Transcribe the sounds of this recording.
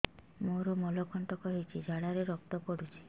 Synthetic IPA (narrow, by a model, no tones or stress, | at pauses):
moɾɔmɔlɔkʰɔɳʈɔkɔɦit͡ʃʰid͡ʒʱaɽaɾeɾɔkt̪ɔpɔɽut͡ʃʰi̥